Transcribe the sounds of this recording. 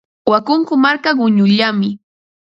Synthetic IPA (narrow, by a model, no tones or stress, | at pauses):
wakʊŋkʊmaɾkaɢʊɲʊʎamɪ